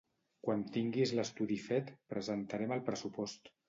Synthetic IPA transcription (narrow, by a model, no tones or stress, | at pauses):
kwant̪iŋɡizləst̪uðifɛt̪pɾəzənt̪aɾɛməlˠpɾəsupɔst̪